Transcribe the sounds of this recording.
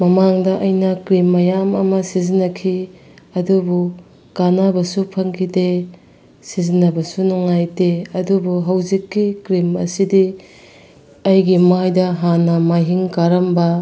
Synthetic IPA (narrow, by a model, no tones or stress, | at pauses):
mɐmaŋdɐʔɐjnɐkɾimːɐjamɐ̰mɐsizinːɐkʰi | ɐdubu | kanabɐsupʰɐŋkʰide | sizinːɐbɐsunuŋːajteɐdubuɦɐwzikːikɾimɐ̰sidi | ɐjɡimajdɐɦanɐmajɦiŋkaɾɐmbɐ